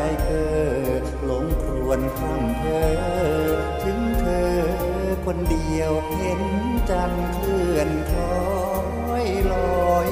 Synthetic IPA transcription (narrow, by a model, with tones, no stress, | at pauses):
jkʰɤː˧˩ | lo˨˧˦ŋkʰu˧˩ənk̪ʰa˧˥˩mt̪ʰɤː˧˩˧ | t̪ʰɯ˧˦˥ŋt̪ʰɤː˧ | kʰo˧ndi˧əw | e˧˦˥n | t͡ɕa˧nk̪ʰɯ˧˩ənk̪ʰɔː˧˦˧ | jlɔː˧j